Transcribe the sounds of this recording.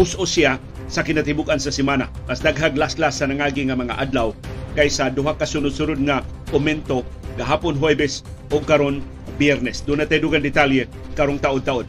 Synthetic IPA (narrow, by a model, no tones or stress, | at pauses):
ʊsʔosia | sakɪnat̪ɪbʊɡansasɛmana̰masd̪aɡɦaɡlasklasːanaŋaːɡɪŋamɐŋa̰ʔad̪lawkajsad̪ʊɦakasunʊd̪sunʊd̪̚ŋaʔʊmɛnt̪oɡaɦaːpʊnɦwebɛsoɡ̚kaɾon | bjɛɾnɛsd̪unat̪ajd̪uɡand̪ɪt̪aljɛ | kaɾoŋt̪aʔʊd̪̚t̪aʔod̪̚